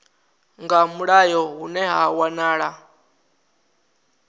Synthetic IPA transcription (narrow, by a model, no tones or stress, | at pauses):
ŋɡamuɺajɔɦunɛɦawanaːɺa